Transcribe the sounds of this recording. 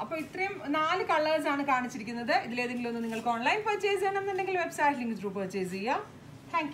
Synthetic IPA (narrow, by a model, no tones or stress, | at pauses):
ɐpːoːɭit̪rɐjumnaːlɨkɐɭːɐrsaːɳɨkaːɳit͡ɕːiɾikʲːunːɐðɨʔiðile̞ːðeŋɡilo̞nːɨniŋːɐɭkɨo̞ːɳlɐjnpɐt͡ɕːejseɳɐminɖeŋɡilʋe̞bsaːʈliŋɡid͡ʑruːpɐt͡ɕejd͡ʑejaːm | t̪ʰaːŋkj